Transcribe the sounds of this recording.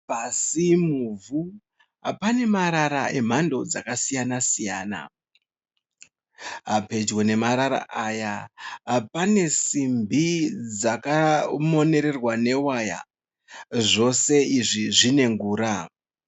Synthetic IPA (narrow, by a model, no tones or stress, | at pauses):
pasimuvu | ɦapane̞maɾaɾaʔe̞m̤ando̞d͡zakasijanasija̰ːna̰ | ɦape̞d͡ʒwene̞maɾaɾa̰ʔajaɦapane̞simbʱid͡zakamo̞ne̞ɾe̞rwane̞waja̰ | ʐo̞se̞iʐiʐine̞ŋɡuːɾa